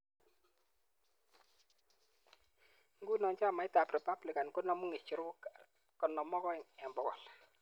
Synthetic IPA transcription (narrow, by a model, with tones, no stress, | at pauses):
ŋɡu˦nɔ˨nt͡ʃa˦˨ma˨ɪ˦ta˨prɛ˨pa˦blɪ˨ka˨nkɔ˦nɔ˨mu˦ŋe˨t͡ʃi˨ɾʊ˦k | kɔ˨nɔ˨mɔ˦kɔ˦ɪ˨ŋɛ˨mbɔ˨kɔ̰˨l